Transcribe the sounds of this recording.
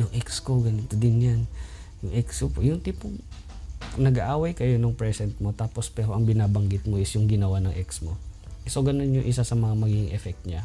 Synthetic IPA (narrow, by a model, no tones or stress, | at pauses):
jʊŋʔɛksko̞ɡɐnɪt̪od̪ɪnjan | jʊŋʔɛkskopojʊŋt̪ipoŋ | nɐɡaʔaːwɐjkɐjo̞noŋpɹɛsɛnt̪̚mo̞t̪aːpo̞spɛːɾoʔɐŋbɪnaːbɐŋɡɪt̪̚mo̞ɪsjʊŋɡɪnɐwanɐŋʔɛksmo̞ʔɪsoɡɐno̞njʊŋʔɪsasɐmɐŋamɐɡiɡɪŋʔɛfɛk̚t̪ɲa